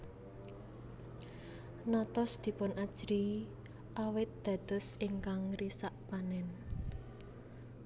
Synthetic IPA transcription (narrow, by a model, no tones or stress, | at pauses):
nɔt̪ɔsd̪̥i̤pʊnʔad̥ʒ̥ɾi | ʔawɪt̪̚d̪̥ä̤d̪̥ɔ̤siŋkaŋrisaʔpanɛn